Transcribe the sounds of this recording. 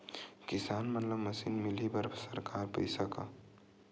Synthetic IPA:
kisanmət̪ləbməsinmilibəɾbsəɾkaɾpə̰jsəkə̰

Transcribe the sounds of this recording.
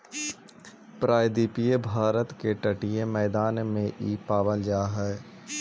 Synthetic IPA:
pɾaːjd̪iːpijebʱaːɾət̪keʈɐʈiemɛːd̪aːnmẽʔipaːbəld͡ʒaːɦɛː

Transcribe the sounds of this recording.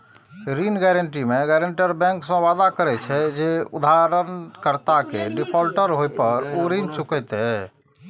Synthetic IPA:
ɾinɡɛɾəɳʈimeɡɛɾəɳʈəɾbɛ̃ŋksə̃ʋad̪akəɾɛt͡ʃʰɛd͡ʒeud̪aɾənkəɾt̪akeɖipʰɔlʈəɾɦojpəɾoɾint͡ʃukɛjt̪ɛ

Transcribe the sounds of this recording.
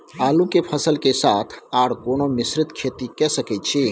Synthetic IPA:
aːlũkepʰəsəlkesaːt̪ʰaːɽkoːnomɪsɾɪt̪kʰeːt̪ikɛsəkɛt͡ʃʰe

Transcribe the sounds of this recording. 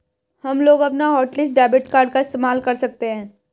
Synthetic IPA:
hɐmloːɡɐpnaɦɔːʈlɪs̬ɖaːbɪʈkaːɾɖkaɪst̪eːmaːlkɐɾsɐk̚t̪eɦɛ̃ː

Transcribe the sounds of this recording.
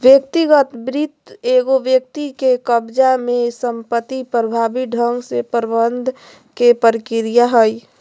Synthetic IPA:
ʋjək̚t̪iɡət̪bɾit̪eɡoʋjək̚t̪ikekəbd͡ʒamẽsəmpət̪ːipɾəbʱabiɖʱəŋɡsepəɾbənd̪ʱ | kepəɾɪkɪɾijaɦəj

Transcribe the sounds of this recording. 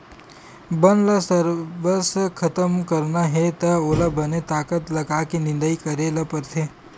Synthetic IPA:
bɐnlɐsəɾʋəskʰɐt̪əmkɐɾnaɦɛt̪ɐoːlabɐnet̪aːkət̪lɐɡakinɪ̃nd̪əikɐɾelɐpəɾt̪ʰeː

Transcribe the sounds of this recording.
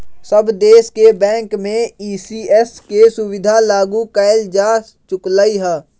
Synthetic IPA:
səbd̪eːskebɛ̃ːŋkmẽiːsiːɛskesʊwɪd̪ʱalaːɡukaːɪld͡ʒaːst͡ʃʊklaːiɦɛː

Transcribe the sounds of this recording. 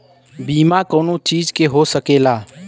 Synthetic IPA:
biːmaːkoːnõt͡ʃiːd͡ʒkeɦoːsəkeːlaː

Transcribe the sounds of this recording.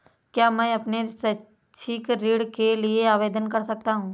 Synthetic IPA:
kjaːmɛ̃ːɐpnesɐ | t͡ʃʰikɾiːɽkelieaːʋeːd̪ənkɐɾsɐk̚t̪aɦũː

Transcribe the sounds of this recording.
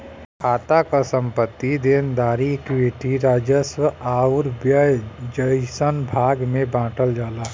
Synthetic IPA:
kʰaːt̪akasə̃mpət̪ːid̪eːnd̪aːɾikʋeːʈiɾaːd͡ʒəswəaːʊɾbjəjd͡ʒəɪsənbʱaːɡmẽbãːʈəld͡ʒaːlaː

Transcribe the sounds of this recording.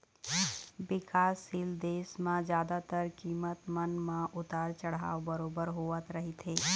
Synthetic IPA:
bɪkaːsild̪eːsmãd͡ʒjaːd̪at̪əɾkiːmət̪mənmãʔʊt̪aːɾt͡ʃəɽ̤a̰ːobəɾoːbəɾɦoːət̪ɾɐɦit̪ʰeː

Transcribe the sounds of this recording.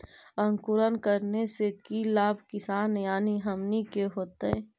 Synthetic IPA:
ə̃ŋkʊɾənkəɾnesekilaːbʱkɪsaːnjaːniɦəmnikeɦoːt̪eɛː

